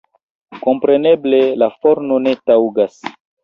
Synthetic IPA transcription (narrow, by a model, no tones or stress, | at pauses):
ko̞mpɾe̞ne̞ble̞lafoɾnone̞tawɡas